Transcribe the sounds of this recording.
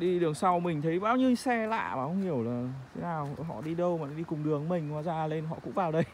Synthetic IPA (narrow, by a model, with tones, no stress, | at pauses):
ɗi˧ɗɨ˨˩əŋsa˧wmï˨˩ŋ̟t̪ʰə˨˦jɓaː˧˩wɲɨ˧sɛ˧la̰ː˧˨maː˨˩hə˧wŋ͡mhi˨˩əwlaː˨˩t̪ʰe˨˦naː˨˩wɦɔ̰˧˨ɗi˧ɗə˧wmaː˨˦ɗi˧kʊ˨˩ŋ͡mɗɨ˨˩əŋmï˨˩ŋ̟kwaː˧˩zaː˧˩le˧nɦɔ̰˧˨kʊ̰˧˥ŋ͡mvaː˨˩wɗə˧j